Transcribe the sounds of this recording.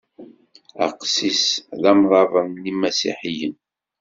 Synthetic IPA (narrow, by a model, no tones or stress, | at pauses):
æ̰qsisðæmðˤɑvˤəmnimæsḭħijən